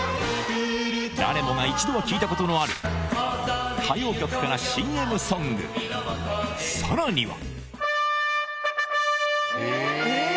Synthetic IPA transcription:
d̪a̰ɾe̞mo̞ŋait͡ɕid̪o̞βakʲiːt̪ako̞t̪o̞noaɾɯ̟̰ | kʰajo̞ːkʲo̞kɯ̟̥kaɾaɕĩe̞mɯ̟sõ̞ŋɡɯ̰ | saɾaɲ̟iβa̰

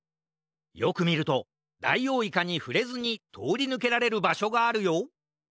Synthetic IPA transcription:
jo̞̰kɯ̟mʲiɾɯ̟t̪o̞ | d̪a̰ijo̞ːikaɲ̟iɸɯ̟ɾe̞zɨɲ̟it̪ʰo̞ːɾʲinɯ̟k̬e̞ɾaɾe̞ɾɯ̟baɕo̞ɡaːɾɯ̟jo̞

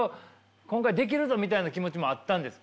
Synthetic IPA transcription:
o | kõ̞ŋkaid̪e̞k̬ʲiɾɯ̟zo̞mʲit̪ainakʲimo̞t͡ɕimo̞at̪ːãnd̪esɨ̥

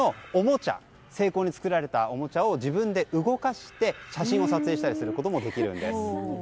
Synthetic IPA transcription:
oomo̞t͡ɕa̰ | se̞ːko̞ːɲ̟it͡sɨ̥kɯ̟ɾaɾe̞t̪ao̞mo̞t͡ɕao̞ʑibɯ̟̃nd̪e̞ʔɯ̟ɡo̞kaɕi̥t̪e̞ɕaɕĩɰ̃o̞sat͡sɨe̞ːɕi̥t̪aɾʲisɨɾɯ̟ko̞t̪o̞mo̞d̪e̞kʲiɾɯ̟̃nd̪e̞sɨ̥

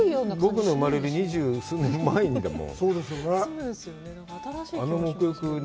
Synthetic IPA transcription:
jonbokɯ̟no̞ɯ̟maɾe̞ɾɯ̟ɲ̟iʑɨːsɨːnẽmːaĩɲid̪a̰mõ̰soːd̪esjonesjon | ano̞mo̞kɯ̟jokɯ̟n

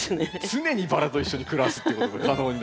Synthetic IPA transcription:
t͡sɨne̞ɲ̟ibaɾat̪o̞iɕːo̞ɲ̟ikɯ̟ɾasɨ̥t̪ːekot̪oakkʰanooːɲ̟i

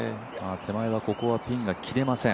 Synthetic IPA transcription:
maːt̪ʰe̞maiβako̞ko̞βapʲĩŋɡakʲʰiɾe̞masẽ̞

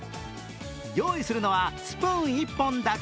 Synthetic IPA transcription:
jo̞ːisɨɾɯ̟no̞β̞asɨ̥pɯ̃ɰ̃ipːõ̞nd̪ak

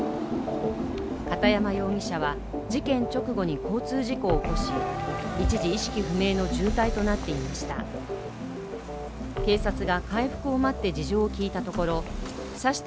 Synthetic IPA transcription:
kat̪ajamajo̞ːɡʲiɕaβa | d͡ʑikẽ̞ɲ̟t͡ɕo̞kɯ̟ɡo̞ɲ̟iko̞ːt͡sɨːʑiko̞ːko̞ɕiit͡ɕiʑiɕi̥kʲiɸɯ̟me̞ːno̞d͡ʑɨːt̪ait̪o̞nat̪ːe̞imaɕi̥t̪a̰ | ke̞ːsat͡sɨɡakaiɸɯ̥kɯ̟o̞mat̪ːe̞d͡ʑiʑo̞ːkʲiːt̪at̪o̞ko̞ɾo̞ | saɕi̥t̪

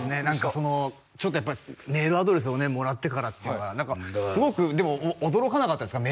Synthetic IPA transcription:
sɨne̞nãŋkaso̞no̞ | t͡ɕo̞t̪ːo̞japːaime̞ːɾɯ̟ad̪o̞ɾe̞s̬ɨone̞mo̞ɾat̪ːe̞kaɾat̪ːenoɡanãŋkasɨɡo̞kɯ̟d̪e̞mo̞ːd̪o̞ɾo̞kanakat̪ːad̪sɨ̥kame

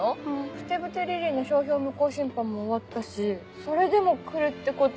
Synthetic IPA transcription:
oɸɯ̟̥t̪e̞bɯ̟t̪e̞ɾʲeɾʲiːno̞ɕo̞ːçʲo̞ːmɯ̟ko̞ːɕĩmpãmːo̞ːβat̪ːaɕi | so̞ɾe̞d̪e̞mo̞kɯ̟ɾɯ̟t̪ːe̞ko̞t̪

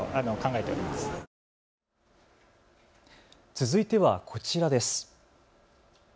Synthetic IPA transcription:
anokãŋɡae̞t̪e̞o̰ɾʲimasɨ̥ | t͡sɨzɨit̪e̞βakʰo̞t͡ɕiɾad̪e̞sɨ̥

